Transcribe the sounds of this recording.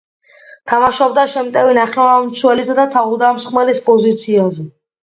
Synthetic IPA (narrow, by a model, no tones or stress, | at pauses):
t̪ʰamaʃɔbd̪aʃɛmt̪ʼɛvinaχlɛvamt̪sʰwɛlisad̪at̪ʰaud̪amsχmɛlispʼɔzit̪sʰiazɛ